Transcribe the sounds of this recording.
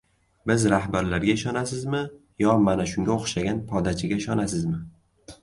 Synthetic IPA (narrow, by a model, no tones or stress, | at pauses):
bɪzɾahbaɾlaɾɡʲaɪʃɒnasɪzmɪ | jɒmanaʃʊŋɡʲaoχʃaɡʲanpʰɒd̪at͡ʃʰɪɡʲaɪʃɒnasɪzmɪ